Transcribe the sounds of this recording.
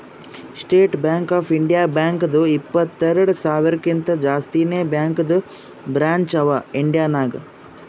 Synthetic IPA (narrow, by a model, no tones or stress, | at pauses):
sʈeːʈbjaːŋkaːpʰiɳɖijaːbjaːŋkd̪uipːɐt̪ːeɾɐɽusaːʋiɾɐkint̪ɐd͡ʒaːst̪ineːbjaːŋkd̪u | bɾaːɲt͡ʃɐʋɐiɳɖijaːnaːɡɐ